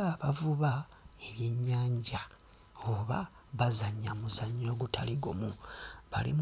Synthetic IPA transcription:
aβavuβa | e̞βjeɲːaːɲɟa | oβa | βazaɲːamuzaɲo̞ːɡutʰaliɡo̰muβa̰lḭm

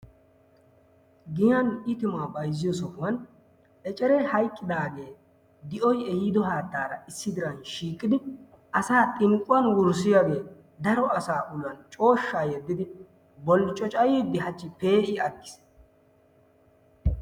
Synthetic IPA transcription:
ɡɪjɐnɪt̪ɪmaːbɐjzɪjɔsɔhʊwɐn | ɛt͡ʃʼɛɾɛhɐjkʼːɪd̪aːɡe̞ː | d̪ɪʔɔjɛjɪd̪ɔɦaːt̪ːaːɾɐɪsːɪd̪ɪɾɐnʃiːkʼːɪd̪ɪ | ɐsaːt̪ʼɪŋkʼːʊwɐnwʊɾsɪjaːɡe̞ː | d̪ɐɾɔɐsaːʔʊlʊːɐnt͡ʃʼo̞ːʃːaːjɛd̪ːɪd̪ɪ | bɔlːt͡ʃʼɔt͡ʃʼɐjiːd̪ɪɦɐt͡ʃːɪpeːʔɪɐɡːɪ̥s

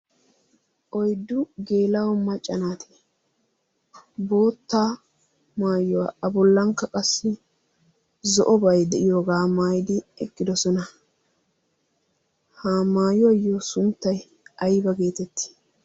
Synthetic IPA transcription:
ʔɔjd̪ːʊɡe̞ːlɐwɔmːɐt͡ʃʼːɐnaːt̪ʰe̥ | bo̞ːt̪ːaː | maːjɔwaɐbɔlːɐŋkːɐkʼɐsːɪ | zɔʔɔbɐjd̪ɛʔɪjoːɡaːmaːjd̪ɪɛkʼːɪd̪ɔsɔnɐ | haːmaːjɔwɐjːoːsʊnt̪ːɐj | ɐjbɐɡe̞ːt̪ɛt̪ːɪ̥

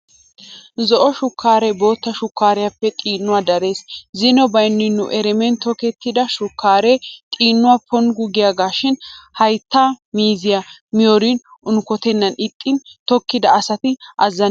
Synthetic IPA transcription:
zɔʔɔʃʊkːaːɾɛbo̞ːt̪ːɐʃʊkːaːɾɛjɐpːɛt̪ʼiːnːʊwad̪ɐɾe̞ːszɪnɔbɐjnːɪnːʊ̰ʔɛɾɛmɛnt̪ɔkɛt̪ːɪd̪ɐʃʊkːaːɾet̪ʼiːnːʊwapʰɔnɡʊɡɪjaːɡaːʃɪnhɐjt̪ːaːmiːzɪjamɪjoɾinʊnʊkɔt̪ɛnːɐnɪt̪ʼːɪnt̪ɔkːɪd̪ɐːsɐt̪ɪʔɐzːɐn

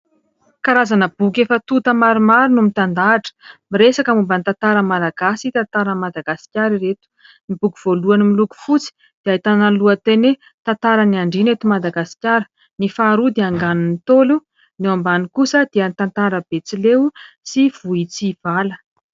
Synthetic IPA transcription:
kaɾazanəb̥uk̬efət̪ut̪əmaɾumaɾunumit̪and̪aʈ͡ʂə̥miɾesakamumbanit̪ant̪aɾəmalaɡasit̪ant̪aɾəmad̪aɡasi̥kʲjaɾiɾet̪u̥ | nibukuv̥oluanimiluku̥fut͡si̥ | d̪̥eait̪analuət̪ene | t̪ant̪aɾəniaɳɖ͡ʐinet̪umad̪aɡasi̥kʲaɾə̥ | nifaɾud̪eaŋɡanunit̪olu | newambanikusəd̪̥eənit̪ant̪aɾəb̥et͡silew | siv̥uit͡siv̥alə

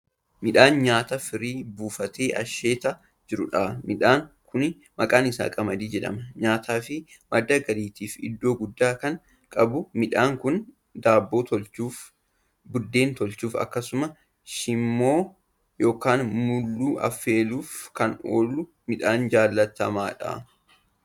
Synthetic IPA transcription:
mɪᶑaːnɲaːt̪ɐfɪɾiːbuːfɐt̪eːʔɐ̰ʃe̞ːt̪ɐ | d͡ʒɪɾʊᶑamɪᶑaːŋkʰʊn | mɐkʼaːnɪsa̰ːkʼɐmɐd̪iːd͡ʒɛᶑɐ̰mɐɲaːt̪ʰaːfɪ | mɐd̪ːɐɡɐɾiːt̪iːfɪ̰d̪ːo̞ːɡʊd̪ːaːkɐŋ | kʼɐbʊmɪᶑaːŋkʊn | d̪aːbːo̞ːt̪ɔlt͡ʃuːf | bʊd̪ːe̞ːnt̪ɔlt͡ʃuːfɐ̰kːɐsʊmɐ | ʃɪmːo̞ː | jo̞ːkaːnmʊlːuːʔɐ̰fːe̞ːluːfkɐno̰ːlːʊ | mɪᶑaːnd͡ʒaːlːɐt̪ɐmaːᶑɐ̰

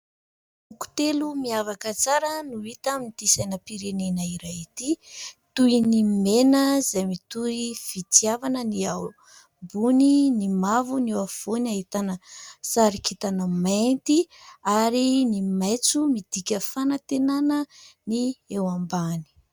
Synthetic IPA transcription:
uku̥t̪elumiavakət͡saɾənuit̪amit̪isanəpiɾenenaiɾait̪it̪uinimenəzajmit̪uiv̥it̪iavanəniaw | buninimavunewav̥onaɦit̪anəsaɾikʰit̪anəmant̪iaɾinimajt͡sumid̪̥ikʲəfanat̪enanəniewambani̥

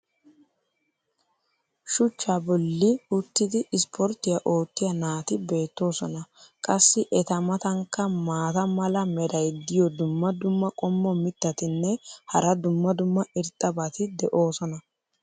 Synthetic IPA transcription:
ʃʊt͡ʃːabɔlːɪʊt̪ːɪd̪ɪɪspʰɔɾt̪ːɪjɐʔo̞ːt̪ːɪjɐnaːt̪ɪbe̞ːt̪ːo̞ːsɔnɐkʼɐsːɪʔɛt̪ɐmɐt̪ɐŋkːɐmaːt̪ɐmɐlɐmɛɾɐjd̪ɪjɔd̪ʊmːɐd̪ʊmːɐkʼɔmːɔmɪt̪ːɐt̪ɪnːɛhɐɾɐd̪ʊmːɐd̪ʊmːɐɪɾt̪ʼːɐbɐt̪ɪd̪ɛʔo̞ːsɔnɐ

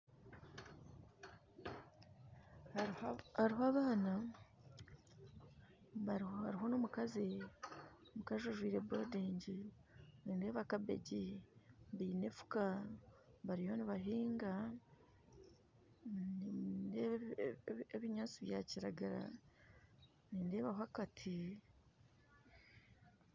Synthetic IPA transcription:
hhaɾiɦoaβaːna | βaβaɾiɦo̞nomukazi | omukazoʒwiːɾe̞boːdeːɲɟinineːβakabe̞̰ɟi | βiːne̞fu̥ka | βaɾijoniβaɦiːŋɡa | n | eβiɲaːt͡siβjaciɾa̰ɡaɾa̰ | niːnde̞ːβaɦwakatʰi

